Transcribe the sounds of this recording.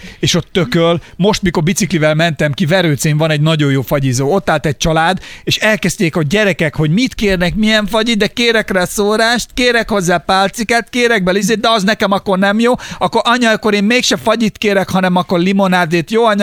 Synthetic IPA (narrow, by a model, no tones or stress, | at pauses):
eːʃo̞t̪ːøkølmo̞ʃt̪miko̞rbit̪siklivɛlmɛnt̪ɛmkivɛɾøːt̪seːɱvɒnɛɟnɒɟo̞joːfɒɟizoːo̞t̪ːaːlt̪ɛc̚t͡ʃɒlaːd̪eːʃɛlkɛz̥t̪eːkoɟɛɾɛkɛkho̞ɟmit̪keːrnɛkmijɛɱfɒɟid̪ɛkeːɾɛkrɛsoːɾaːʃt̪keːɾɛkho̞zːaːpaːlt̪sikat̪keːɾɛɡ̚bɛlizeːd̪ɛɒznɛkɛmɒkːo̞rnɛmjoːɒkːoɾʔɒɲɒjkːoɾeːmmeːkʃɛfɒɟit̪keːɾɛkhɒnɛmɒkːo̞rlimo̞naːd̪eːt̪joːɒɲ